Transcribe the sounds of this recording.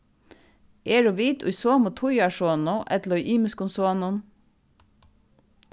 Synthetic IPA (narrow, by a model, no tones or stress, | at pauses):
ʔeːɹoʋiːt̪ʰʊ̰jsoːmot̪ʰʊjɑʃoːnoʔɛt̪lʊʔiːməskʊnsoːnʊn